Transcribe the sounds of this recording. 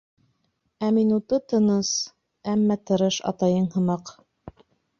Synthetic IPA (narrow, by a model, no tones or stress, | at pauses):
æminut̪ɤt̪ɤ̆nɤs | æmːæt̪ɤ̆ɾɤʃɑ̰t̪ɑjɤɴhɤ̆mɑq